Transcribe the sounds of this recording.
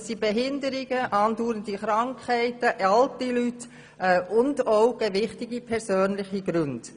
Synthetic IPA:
sibɛɦɪndəɾɪɡəʔɑːnduːɾəndiχɾɑŋkʰhɛɪtəʔɑltilyt | ɛʔʊndoʊɡ̥ɛʋɪχtɪɡipʰɛɾsøːnlɪχiɡ̥ɾʏnd̥

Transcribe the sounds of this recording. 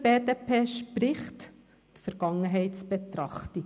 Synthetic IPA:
beːd̪eːpʰeːʃpɾɪχt̪ | t̪fəɾɡ̥ɑŋəɦɛɪtsb̥ɛt̪ɾɑχt̪ɪ

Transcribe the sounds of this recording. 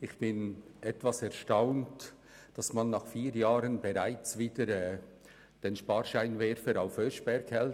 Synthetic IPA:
ɪχb̥ɪnʔɛtvasɛɐʃtaʊnt | d̥ɑsmɑnːɑχfiːɾjaːɾənbeɾaɪt͡sviːdəɾɛː | d̥enʃpɑːɾʃaɪnvɛɾfəɾaʊfhøʃb̥ɛɾkhɛl

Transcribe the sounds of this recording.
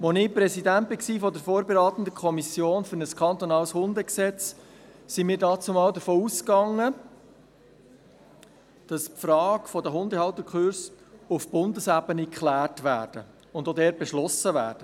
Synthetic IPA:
ʋɔnɪpɾɛsidænt̚bɪksifɔdəfoːɾbeɾɑːt̪ən̩d̪əkʰɔmisjoːnfɵɾnəskχɑnt̪ɔnɑːlshʊndəksɛt͡s | simiːɾdɑːt͡sumɑːld̪əɾfoːuskɑŋːə | d̥ɑspfrɑːkfɔdəɦʊndəhɑwt̪əkχøɾs | ʊfb̥ʊndəsæbənikχlæːrtʋæːɾd̥ə | ʊnd̪odɛːɾt̚b̥eʃlɔsəʋæ̰ːrd̥ə

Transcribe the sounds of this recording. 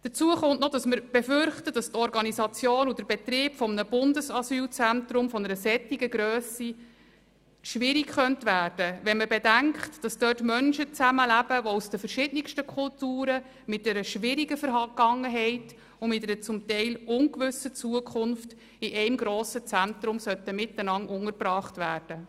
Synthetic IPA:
d̥ət͡suəχʊntnɔd̥ɑsməɾb̥efʏɾχtəd̥ɑst̪ɔɾɡɑnisɑt͡sjoːnudəɾbɛtɾɪːpfɔmnəb̥ʊndəsɑsyːlt͡sæntɾʊmfɔnəɾəsɛtːiɡəɡɾøːsi | ʃʋɪɾikχœntʋæːrd̥əʋɛnməbedæŋkχtd̥ɑsd̥œːtmœnʃət͡sæməlæb̥əʋɔusd̥əfəɾʃɪdnɪkʃtəkʰχʊltuːɾə | mɪt̚d̥ɛɾəʃʋɪɾiɡəfəɾɦɑɡ̥ɑŋːəɦɛɪt | ʊmɪtɛɾət͡sʊmtɛɪlʊŋkʋʏsət͡suəkʰχʊnft | ɪʔɛɪmɡɾoːsət͡sæntɾʊmsœt̪əmɪtːənɑŋʔʊŋəɾbɾɑːχtʋæːrd̥ə

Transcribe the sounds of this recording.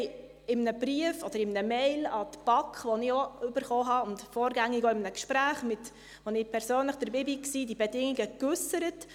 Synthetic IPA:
ɪmnəbɾiəfɔd̥̪əɾɪmnəmɛɪlɑt̪b̥ɑkχʋɔnɪoʏbəɾχɔɦɑʊntfɔːɾɡæŋːɪɡɔɪmnəkʃpɾæːχmɪt | ʋonɪpʰɛɾsøːnləχd̥əɾbɪbiksiːdibɛdɪŋiɡəkʉsəɾət

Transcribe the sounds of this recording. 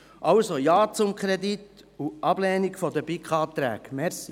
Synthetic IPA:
ʔɑwsojɑːt͡sʊmkχɾed̪it̪ | uʔɑb̥lɛːnikfɔd̪əbikχɑːt̪ːɾæ̰ːkmɛɾsi

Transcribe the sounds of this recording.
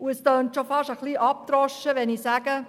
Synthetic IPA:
uɛstœntʃofɑʃəχliːʔɑp̚tɾɔʃəʋɛnisæːɡ̥ə

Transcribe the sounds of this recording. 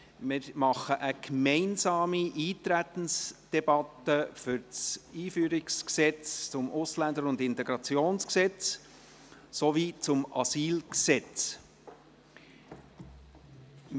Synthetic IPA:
mɪɾmɑχəʔəkmɛɪnzɑːmiʔiːt̪ɾæt̪ən̩sd̥ɛb̥ɑt̪əfʏɾt͡siːfyːɾɪksksɛt͡st͡sʊmʔʊslænd̪əɾʊnd̪ɪnt̪ɛɡɾɑt͡sjoːnsksɛt͡s | soviːt͡sʊmɑ̰siːlksɛt͡s

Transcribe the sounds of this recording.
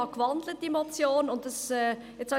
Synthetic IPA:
ɑkvɑndl̩t̚d̥imot͡sjoːnʊntəsɛː | ɛt͡shɑ

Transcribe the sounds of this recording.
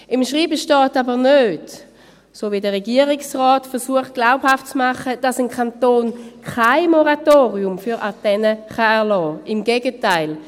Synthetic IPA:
ɪmʃʁiːbəʃtɔːtabəʁnøːt | soːvidəʁeɡiəʁiksʁɔːtfɛɐʁsuəχt̚ɡ̥laʊphaftt͡smaχəd̥asənkʰantoːnkʰaɪmoʁatoːʁiʊmfyʁʔatɛnəχaɛɐlɔːɪmɡeɡətaɪl

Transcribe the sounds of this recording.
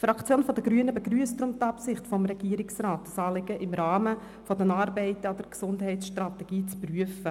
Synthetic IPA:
fɾɑkt͡sjoːnfɔdəɡɾyənəbəɡɾyəstɾʊmtɑpsɪχtfɔmɾɛɡiːəɾɪksraːtːɑsɑːlɪɡ̥əʔɪmɾɑːmə | fɔdənɑːɾbɛɪtəɑd̥əɾksʊndɦɛɪtsʃtrɑtɛɡ̥iːt͡spryəfə

